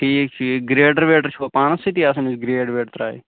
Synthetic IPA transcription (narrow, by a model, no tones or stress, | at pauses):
ʈʰiːk̚t͡ʃʰiɡɾeːʈɐɾʋeːʈəɾt͡ʃʰuopaːnɐsit̪iasɐnisɡɾeːʈʋeːʈt̪ɾa̰ːḭ